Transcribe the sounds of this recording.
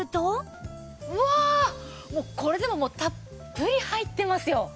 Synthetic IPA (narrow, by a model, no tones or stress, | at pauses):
ɯ̟t̪o | ɯa | moːko̞ɾe̞d̪e̞mo̞mo̞ːt̪apː | ɯ̟ɾʲihait̪ːe̞masɨjo̞